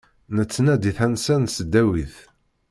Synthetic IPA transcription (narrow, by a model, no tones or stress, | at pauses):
nət͡sːnæd̪iθænsænsəd̪ːæwiθ